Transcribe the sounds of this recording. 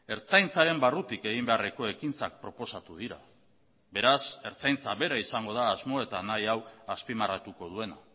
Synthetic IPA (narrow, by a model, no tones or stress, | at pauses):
e̞ɾt͡sajnt͡saɾe̞mbarut̪ike̞ɣ̞imbe̞are̞ko̞e̞kint͡sak̚pɾo̞po̞sat̪uð̞iɾa̰ | be̞ɾase̞ɾt͡sajnt͡saβe̞ɾaisaŋɡo̞ð̞aːzmo̞e̞t̪anajawaspimarat̪uko̞ð̞ue̞na̰